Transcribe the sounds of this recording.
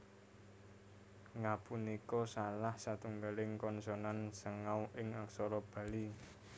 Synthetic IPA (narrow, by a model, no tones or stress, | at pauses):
ŋapunikɔsalahsat̪uŋɡalɪŋkɔnsɔnansəŋawʔɪŋaksɔɾɔb̥ä̤li